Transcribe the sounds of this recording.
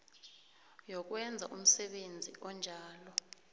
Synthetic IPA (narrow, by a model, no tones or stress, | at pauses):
jɔk̬wɛnd͡zʱa̰ʔum̩sɛɓend͡zʱiʔɔnd͡ʒʱaːlɔ